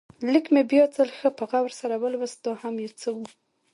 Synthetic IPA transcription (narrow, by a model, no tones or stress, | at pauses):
lɪkmebjɑt͡səlxəpəɣawəɾsaɾawəlwəst̪ohamjet͡səwu